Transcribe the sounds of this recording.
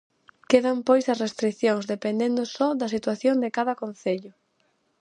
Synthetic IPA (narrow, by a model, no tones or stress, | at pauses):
keðampojsɐsrest̪ɾikθjoŋzðepend̪end̪ʊsɔd̪ɐsit̪waθjoŋd̪ɪkaðɐkon̟θeʎʊ